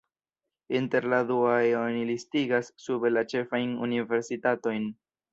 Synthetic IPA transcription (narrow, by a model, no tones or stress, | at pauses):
inte̞ɾladuaeonilistiɡasːube̞lat͡ʃe̞fajnṵnive̞ɾsitato̞jn